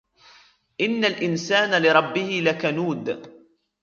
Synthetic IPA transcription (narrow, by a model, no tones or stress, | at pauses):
ʔɪnːalʔɪnsaːnalɪɾˤɑbːɪhɪlakanuːd̪